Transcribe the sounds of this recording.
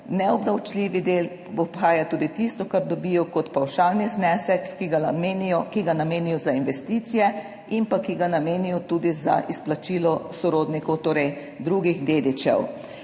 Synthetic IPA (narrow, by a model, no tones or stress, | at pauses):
nɛɔbd̪awt͡ʃlʲiʋid̪eːl | ɔpxaːjat̪uːd̪it̪ist̪ɔkaɾd̪ɔbijɔkɔt̪pawʃaːlniznɛːsɛkːiɡamenɔkiɡanameːnijɔzainʋɛst̪it̪sijɛ | impakiɡanameːnijɔt̪uːd̪iza̰ʔisplat͡ʃiːlɔsɔɾoːd̪nikɔwt̪oːɾɛj | d̪ɾuɡiɣd̪eːd̪it͡ʃɛ̰w